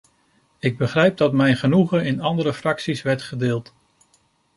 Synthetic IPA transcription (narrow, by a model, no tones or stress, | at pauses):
ɪɡ̚bəχrɛjp̚dɑtmɛjnχənuχəɪnɑndəɾəfrɑksisʋɛɹtχədɪːlˠt